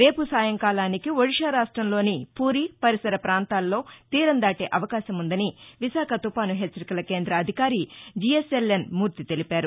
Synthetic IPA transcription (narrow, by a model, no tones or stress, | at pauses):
ɾe̞ːpusaːjɐŋkaːlaːnikiʋoɽiʂaːɾaːʂʈɾɐmlo̞ːnipuːɾiːpɐɾisɐɾɐpɾaːnt̪aːlːo̞ːt̪iːɾɐnd̪aːʈe̞ːʔɐʋɐkaːʃɐmund̪ɐniʋiʃaːkʰɐt̪upaːnuɦet͡ʃːɐɾikɐlɐke̞ːnd̪ɾɐːd̪ʱikaːɾid͡ʒieselːenmuːɾt̪it̪e̞lipaːɾu